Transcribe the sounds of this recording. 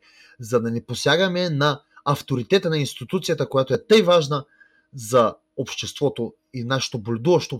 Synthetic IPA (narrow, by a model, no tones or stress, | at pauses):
zɐd̪ɐnɛposʲjaɡɐmɛnɐɐft̪oɾit̪ɛt̪ənɐinst̪it̪ut̪sijət̪əkojat̪oɛt̪ɤjvaʒnə | zɐ | opʃt̪ɛst̪vɔt̪o | inaʃɛ̥t̪obolʲɛd̪uvɐʃt̪o